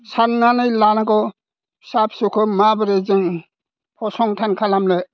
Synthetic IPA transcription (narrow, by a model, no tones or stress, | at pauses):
sannanɯjlanakɔ | sapʰsukʰɯmabɯɾezɯŋ | pʰɔsɔŋtʰankʰalamle